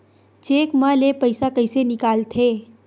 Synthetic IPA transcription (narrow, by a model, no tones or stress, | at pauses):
t͡ʃeːkməlepəɪsakɐɪsenɪkaːlt̪ʰeː